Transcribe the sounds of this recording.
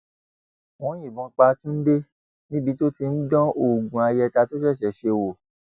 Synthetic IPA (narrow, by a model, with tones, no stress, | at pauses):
w̃ɔ̃˨˦jĩ˦˨bɔ̃˧˦k͡pa˧tũ˦n̩˦de˦ | nĩ˦bi˨˧˦to˦ti˧n̩˦dɔ̃˦o˦˨ɡũ˨a˧jɛ˧ta˧to˦ʃɛ˦˨ʃɛ˨ʃe˧wo˨